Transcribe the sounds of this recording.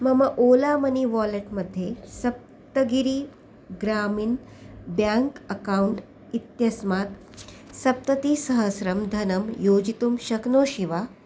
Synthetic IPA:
mɐmɐʔoːlaːmɐniʋaːleʈmɐd̪ʱjesɐp̚ | t̪ɐɡiɾiː | ɡɾaːmiːn | bjaŋkɐkauɳʈ | it̪jɐsmaːt̪ | sɐp̚t̪ɐt̪iːsɐɦɐsɾɐmd̪ʱɐnɐmjoːd͡ʒit̪umʃɐknoːʃiʋaː

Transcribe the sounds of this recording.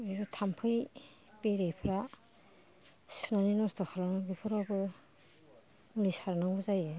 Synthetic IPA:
ejɾɔtʰampʰɯj | peɾejpʰɾa | sunaninɔstɔkʰaɾanaŋbipʰɔɾɔbɯ | ulisaɾnaŋbɯzaje

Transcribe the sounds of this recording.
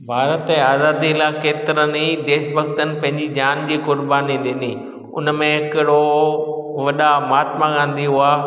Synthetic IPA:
bʱaːɾət̪ɛ̃aːzaːd̪ilaːkeːt̪ɪɾənid̪eːʃbʱɐɡ̚t̪ənɪ̆pɐ̃ɦɪ̃ɲd͡ʑid͡ʑaːnd͡ʑiːkʊɾbaːniɗɪni | ʊ̰nəmẽɦɪkɪɽo | ʋɐɗamaːt̪maɠãːn̆d̪iɦʊaː

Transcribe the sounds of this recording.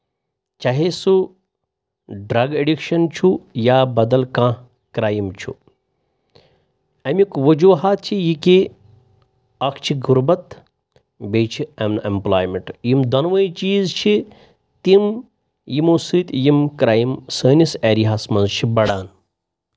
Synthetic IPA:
t͡ʃɐɦesu | ɖɾɐɡeɖikʃɐnt͡ʃʰujaːbɐd̪ɐlkãː | kɾaːjimt͡ʃʰṵ | ɐmikʋɐd͡ʒuːɦaːt̪̚t͡ʃʰijiki | ɐkʰt͡ʃʰiɡuɾbɐt̪ | beːt͡ʃʰiemnemplaːjmeɳʈjimd̪ɐnʋəjt͡ʃiːzt͡ʃʰi | t̪im | jimoːsɨːt̪jimkɾaːjimsəːniseːɾiɦaːsmɐnzt͡ʃʰibɐɽaːn

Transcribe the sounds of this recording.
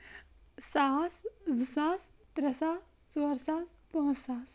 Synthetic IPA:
saszusãːst̪ɾɐsaː | sʋɐɾsaːspɔ̃saːs

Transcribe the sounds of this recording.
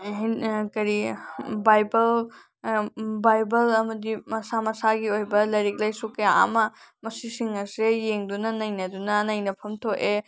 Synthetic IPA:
ɦkɐɾibajbɐl | bajbɐlɐmɐdimɐsamɐsaɡiojbɐlɐjɾik̚lɐjsukea̰mɐmɐsisiŋɐsejeŋdunɐnɐjnɐdunɐnɐjnɐpʰɐmtʰoʔe

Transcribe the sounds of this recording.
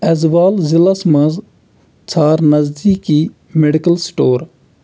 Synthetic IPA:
ɐzbaːlzɪlasmɐ̃z | t͡ʃʰaːɾnɐzd̪iːkiː | meɖikəlsʈoːɾ

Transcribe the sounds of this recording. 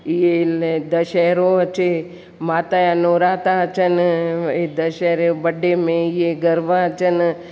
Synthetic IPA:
jed̪ɐʃɛɾoɐt͡ʃe | maːt̪ajanoːɾaːt̪at͡ʃɐned̪ɐʃɛːɾebɐɖːemẽijeɡɐɾʋaɐt͡ʃɐn

